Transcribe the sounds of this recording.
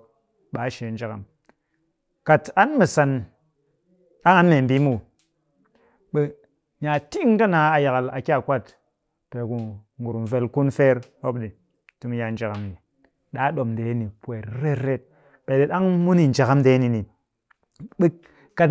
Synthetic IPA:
ɓa˨˦ʃe˨n˦d͡ʒa˨ka̰˨m | ka˨ta˦nmi˨sa˨n | a˦ŋa˨˦n˦me˨m˨bi˦mu˦˨ | ɓe˨ | ɲa˨ti˦ŋ˦ka˦na˨a˨ja˨ka˨la˨ki˦a˨kʷa˦˨t | pe˨ku˨ŋɡu˨ɾu˨m˨ve˨lku˦nfe˦ɾo˦bɗi˨ | tu˦m˦ja˨n˦d͡ʒa˨ka˨mni˨ | ɗa˦ɗo˨mde˨˦ni˨pwe˨ɾɾe˦ɾe˦t̚ | ɓe˨de˨ɗa˦ŋmu˦ni˨n˨d͡ʒa˨ka˦mde˨˦ni˨ni˨˦ | ka˨t

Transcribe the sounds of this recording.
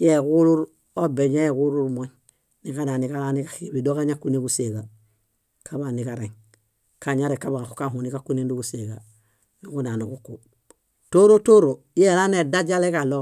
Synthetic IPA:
je˦ku˦ɾu˦ɾ | o˦be˨ɲe˦e˨ku˦ɾu˦ɾmo˦ɲ | ni˨ka˦na˨ni˨ka˦la˦ni˦ka˦xi˨bi˨do˦ka˦ɲa˦kːu˦ne˦ku˦se˨ɡa˨ | kʰa˦ba˨ni˨ka˨ɾe˨ŋ | ka˨ɲa˦ɾe˨ka˦ba˨xu̥ka˦hu˨ni˦ka˦kːu˦ne˦ndu˦kuse˨ɡa˨ | ni˦ku˦na˨nu˨ku˦kːu˨ | to˦ɾo˦to˦ɾo˨˦e˦˨la˦ne˨da˦d͡ʒa˦le˦kalo˦

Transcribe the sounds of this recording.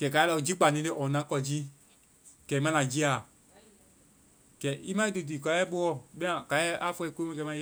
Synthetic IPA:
ɡ̥ɛ˨ka˨˦lɔ˧˨d͡ʒi˦k͡pa˨nĩ˨˦te˦ʔɔ̃˨˦nã˨˦kɔ˧d͡ʒi˦ | ɡ̥ɛ˨˦mã˦lã˨d͡ʒi˦a˨ | ɡ̥ɛ˨˦˨i˦mã˦i˦du˨t̬iː˨ka˨˦ɛ˦ɓo˦ɔ˦˨ɓɛ̃˦ã˨ka˨˦ɛ˦ʔa˦fɔ˧ko˦mɛ̃˧˦kɛ˨˦mã˧˦

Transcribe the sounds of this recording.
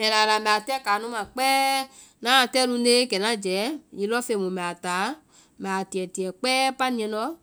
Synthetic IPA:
mɛ̃˨la˨la˨mɛ˨a˨tɛ˦kaː˨˦nũ˦mã˨k͡pɛː˦ | nã˦˨tɛ˦lu˧ne˦kɛ˨nã˨˦˨d͡ʒɛ˨˦ɲĩ˨˧˦lɔ˦fe˧˨mõ˨mɛ˨a˨taː˨˦ | ma˨ti˨ɛ˨ti˨ɛ˨k͡pɛː˦pa˦nĩ˨˧ɛ̃˧˦nɔ˦

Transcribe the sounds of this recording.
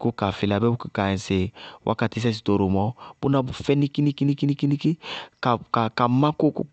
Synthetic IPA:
ku˦ka˨fi˨la˨bɛ˦u˦ki˨ka˨ɛ̃˨se˨wʔa̰˦ka˨ti˦s̬ɛ˦s̬i˨to˨ɾo˨mɔ˦b̥u˦na˦bu˨fɛ˦ni˦ki˦ni˦ki˦ni˦ki˦ni˦ki˦ni˦ki˦ka˨ka˨ka˨mã˦ko˦ku˦

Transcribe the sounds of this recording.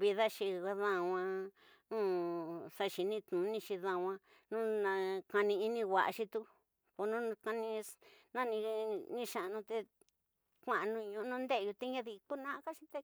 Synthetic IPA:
βi˧ða˦ʃi˧a˧ðã˧˨˧wã˧ | nũ˦sa˧ʃi˧nĩ˧t̪nũ˨˦nĩ˧ʃi˧ðã˧wã˧ | nũ˦nã˧ka˧nĩ˧i˧nĩ˧wa˨ʔa̰˧ʃi˧t̪u˧ | ko˧nũ˦˧ka˧nĩ˧nã˦˧nĩ˧nĩ˦˧ʃã˧˨˧nũ˧t̪e˧ | kʷã˨ʔnũ˧ɲũ˧ʔnũ˦nd̪e˦˧ju˧t̪e˦ɲã˦ði˧ku˦nã˦ka˦ʃĩ̥˧t̪e˧

